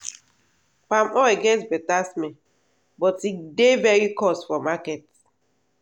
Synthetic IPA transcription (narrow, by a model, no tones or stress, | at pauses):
pamɔɛɡɛtbɛtasmɛ̃ | bɔtidevɛɹikɔsfɔmakɛt